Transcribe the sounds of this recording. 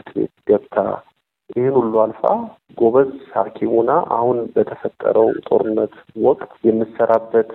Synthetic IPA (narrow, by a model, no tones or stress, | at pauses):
t̪bḛt̪d̪əβt̪ʰa̰ | ʔɪhɪnulːualfa̰ | ɡoβəzsa̰kʰimunaʔahunbət̪ʰəfət̪ʼːə̰ɾəwt̪ʼo̞̰ɾɨnːət̪wɔkʼt̪jɛmːɨsːəɾʔabːət̪